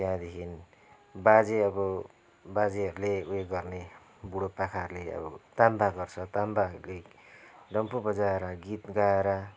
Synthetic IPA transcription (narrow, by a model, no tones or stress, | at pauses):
t̪ãd̪ekʰin | bad͡zeʌbʌ | bad͡zeɦʌɾuleueɡʌrne | buɽopakʰaɾuleʌ̰bʌ̰t̪ambaɡʌrt͡sʰʌt̪ambaʌɾule | ɖʌmpobʌd͡zaeɾʌɡit̪ɡaeɾʌ